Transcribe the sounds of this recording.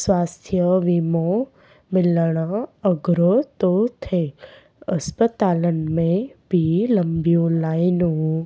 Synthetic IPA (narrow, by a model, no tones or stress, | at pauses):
sʋast̪ʰjəʋimo | mɪlɽ̃ãəɡɾot̪ot̪ʰe | əspət̪alənmẽbʱiləmbʱjolajnũ